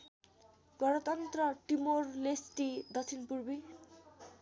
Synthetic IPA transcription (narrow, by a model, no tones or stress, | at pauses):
ɡʌɾʌt̪ʌnt̪rʌʈimorlesʈid̪ʌt͡sʰinpurbi